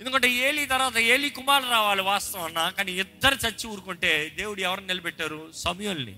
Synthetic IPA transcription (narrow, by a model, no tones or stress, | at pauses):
end̪ukɐɳʈe̞ːeːlit̪ɐɾʋaːt̪ɐe̞ːlikumaːluɾaːʋaːliʋaːst̪ɐʋɐnːaːkaːniɪd̪ːɐɾit͡ʃɐt͡ʃːiuːɾukuɳʈe̞ːd̪e̞ːwuɽuɛʋɐɾninilɐbɛʈːaːɾusɐmɐjulnḭ